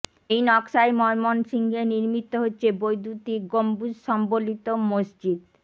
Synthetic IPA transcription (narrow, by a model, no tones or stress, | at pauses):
ejnɔkʃajmɔemonsiŋɡeniɾmit̪ːoɦotːɕʰebojd̪ut̪iɡombud͡ʑʃɔmbolit̪omosd͡ʑid̪